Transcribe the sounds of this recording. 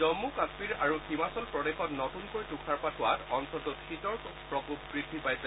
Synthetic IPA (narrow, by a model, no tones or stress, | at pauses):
ɔmukaspiɹaɹuhimasɔlpɹɔdexɔtnɔtunkojtukʰaɹpatʰʊwatɔnsʰɔtʊtʰitɔɹkpɹɔkup̚ɡɹidʱːibajs